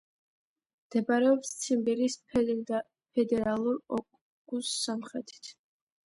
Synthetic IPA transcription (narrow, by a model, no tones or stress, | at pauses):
md̪̥ɛbaɾɛɔpssʰimbɛɾis | pʰɛd̪ɛɾalˠuɾɔkʼ | ɡ̥usːamχɾɛt̪ʰi̥t̪ʰ